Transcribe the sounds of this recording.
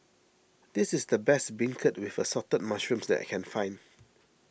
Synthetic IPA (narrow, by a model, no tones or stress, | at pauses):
dɪsɪsdəbɛsbɪ̃ŋkʰət̚wɪfəsɔtən̚maʃɹũmsdɛ̰ʔkʰɛ̃nfãɪ̃n